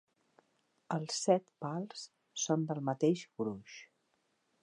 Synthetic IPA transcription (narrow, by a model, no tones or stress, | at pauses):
əlˠsɛt̪palˠs | sond̪əlˠmət̪eʃbɾuʃ